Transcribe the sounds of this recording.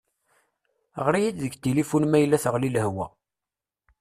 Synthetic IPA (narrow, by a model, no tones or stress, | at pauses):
ʁɾijid̪ðəɡt̪ilifunmæjəlːæθəʁlilɦwæ̰